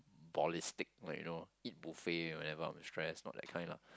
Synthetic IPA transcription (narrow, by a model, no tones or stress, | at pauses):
bɔlistɪk̚lakjṵnoit̚bufeɛ̃nwɛ̃nɛvəã̰ɪ̃mstɹɛsnɔ̰t̚dɛ̰t̚kʰãɪ̃ndla̰